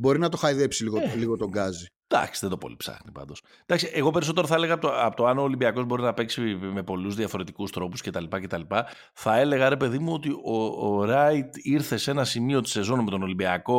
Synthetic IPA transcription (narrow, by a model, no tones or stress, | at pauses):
bo̞ɾinɐt̪o̞xɐiðepsiliɣoliɣot̪o̞ŋɡɐzi | d̪̥ɐ̰ksi̥ðed̪opo̞̰lḭpsɐ̰xnipɐ̰nd̪o̞s | d̪ɐksiʔeɣo̞pe̞ɾiso̞t̪e̞ɾoθɐele̞ɣɐpt̪oɐpot̪oɐnoːlimbiɐko̞zbo̞ɾinɐpe̞ksime̞po̞luzðiɐfo̞ɾe̞t̪ikust̪ɾo̞pusce̞t̪ɐlipɐce̞t̪ɐlipɐ | θɐe̞le̞ɣɐɾe̞pe̞ðimuo̞t̪iʔo̞ɾɐjt̪iɾθe̞se̞nɐsimio̞t̪i̥se̞zo̞nme̞t̪o̞no̞limbiɐko̞